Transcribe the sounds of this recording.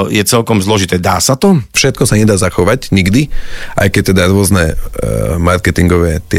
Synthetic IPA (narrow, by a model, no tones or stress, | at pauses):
jɛt͡sɛlkɔmzlɔʒit̪ɛːd̪a̰ːsat̪ɔfʃɛt̪̚kɔsaɲɛd̪aːzaxɔʋaɟɲiɡd̪iʔa̰jkɛc̚t̪ɛd̪aɾʊɔznɛ | maɾkɛt̪iŋɡɔʋɛːt̪ɪɛ